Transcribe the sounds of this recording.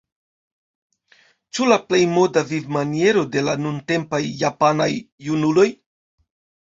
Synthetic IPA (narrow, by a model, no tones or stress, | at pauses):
t͡ʃulaple̞jmo̞davivmanie̞ɾo̞de̞lanunte̞mpajːapanajːunulo̞j